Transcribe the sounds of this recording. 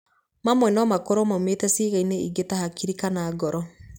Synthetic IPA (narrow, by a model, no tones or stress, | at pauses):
mamwɛnɔmakɔɾɔmametɛsiːɣaineḭɡetahakiɾikanaːɡɔɾɔ